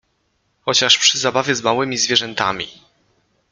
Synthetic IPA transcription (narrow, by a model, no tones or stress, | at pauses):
xɔt͡ɕaʂpʂɘzabavʲjɛzmawɘmʲizvʲjɛʐɛnt̪a̰mʲḭ